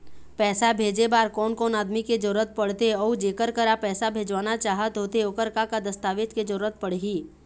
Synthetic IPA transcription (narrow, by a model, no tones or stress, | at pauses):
pɛːsabʱeːd͡ʒebaːɾkɔːnkɔːnaːd̪miked͡ʒəɾuɾət̪̚pɐɽ̤t̪eɔːd͡ʒeːkəɾkəɾapɛːsabʱeːd͡ʒʋaːnat͡ʃaːɦət̪ɦoːt̪eokəɾkakad̪əst̪aːʋet̪ked͡ʒəɾuɾət̪̚pəɽ̤ɡiː